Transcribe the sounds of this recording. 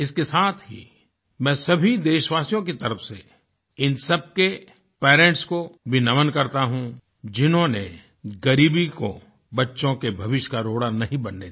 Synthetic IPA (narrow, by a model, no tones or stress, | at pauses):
ɪskesaːt̪ʰɦḭ | mɛ̃ːsɐbʱid̪eːʃʋaːsijõk̬it̪ɐɾəfse | ɪnsɐb̚ke | pɛːɾẽːɳʈskobʱɪnɐmənkɐɾt̪aɦũ | d͡ʒɪnɦõnḛ | ɡɐɾiːbiko̰ | bɐtːʃõkebʱɐʋɪʃkaɾoːɽanɐɦĩbɐnːe